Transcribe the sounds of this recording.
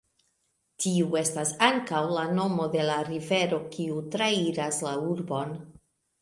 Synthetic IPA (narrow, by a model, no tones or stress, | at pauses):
tiue̞stasaŋkawlano̞mo̞de̞laɾive̞ɾo̞kiutɾaiɾaslauɾbo̞n